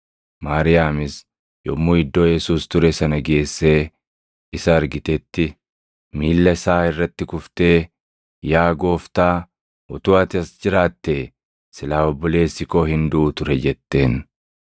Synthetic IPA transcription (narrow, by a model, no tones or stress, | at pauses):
maːɾɪjaːmɪs | jɔ̰mːuːɪd̪ːo̞ːjɛsuːst̪ʊɾɛsɐnɐɡe̞ːsːe̞ː | ɪsɐːɾɡɪt̪ɛt̪ːɪ | miːlːɐɪsaːɪrːɐt̪ːɪkʊft̪e̞ː | jaːɡo̞ːft̪aː | ʔɔt̪ʊːɐt̪ɪɐsd͡ʒɪɾaːt̪ːeː | sɪlaːɔbːɔle̞ːsːɪko̞ːhɪnd̪ʊʔːt̪ʊɾɛd͡ʒɛt̪ːe̞ːn